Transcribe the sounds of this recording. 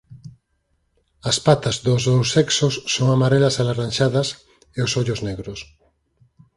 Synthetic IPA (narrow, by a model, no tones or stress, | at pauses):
ɐspat̪azðozðowseksosːoŋamaɾelasalaranʲʃaðɐs | eosoʎozneɣɾos